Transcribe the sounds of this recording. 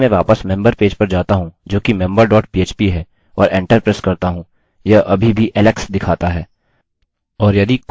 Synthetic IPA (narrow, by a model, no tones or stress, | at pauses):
mẽʋaːpəsmɛ̃mbəɾpeːd͡ʒpɐɾd͡ʒaːt̪aɦũd͡ʒoːkimɛ̃mbəɾɖɔːʈ̚pieːt͡ʃpiɦɛː | ɔ̰ːɾẽːɳʈəɾpɾɛːskɐɾt̪aɦũ | jɐʔɐbʱibʱiʔɛlɛksd̪ɪkʰaːt̪aɦɛː | ɔːɾjɐd̪ik